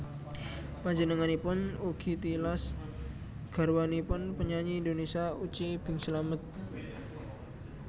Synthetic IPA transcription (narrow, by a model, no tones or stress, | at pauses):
mad͡ʒənəŋanipʊnuɡ̥i̤t̪ilas | ɡ̥a̤ɾwanipʊnpəɲaɲiːndonesiaut͡ʃib̥ɪŋsəlamət̪̚